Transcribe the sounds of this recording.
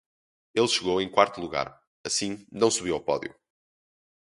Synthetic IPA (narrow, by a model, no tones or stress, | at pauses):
elˠʃɨɣowẽj̃kwaɾt̪ulˠuɣa̰ɾ | ɐsĩnɐ̃w̃suβiwawpɔðju